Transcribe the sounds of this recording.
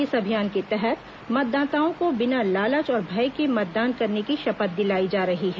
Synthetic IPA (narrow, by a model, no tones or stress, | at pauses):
ɪsɐbʱijaːnket̪ɛɦɛt̪ | mɐt̪̚d̪aːt̪aːõkobɪnalaːlət͡ʃɔːɾbʱɐjkemɐt̪̚d̪aːnkɐɾnekiʃɐpət̪̚d̪ɪlaːid͡ʒaːɾɐɦiɦɛː